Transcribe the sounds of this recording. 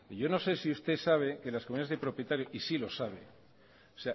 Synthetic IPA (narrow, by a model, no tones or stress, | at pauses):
ʝo̞no̞se̞siust̪e̞saβ̞e̞ke̞laskomuniazðe̞pɾo̞pje̞t̪aɾjo̞ʔisilo̞saβ̞e̞ | osea